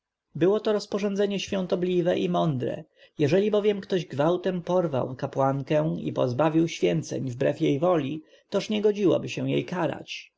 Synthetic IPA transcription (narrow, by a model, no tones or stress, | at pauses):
bɘwɔt̪ɔɾɔspɔʐɔnd̪zɛɲɛɕfʲjɔ̃nt̪ɔblʲivɛʔimɔnd̪ɾɛ̰ | jɛʐɛlʲibɔvʲjɛmkt̪ɔʑɡvawt̪ɛmpɔɾva̰wkapwaŋkɛ̃w̃ḭpɔ̰zbavʲiwɕfʲjɛnt̪sɛ̰ɲvbɾɛfjejvɔlʲi | t̪ɔʂɲɛɡɔd͡ʑiwɔ̰bɘɕɛw̃jḛjkaɾa̰t͡ɕ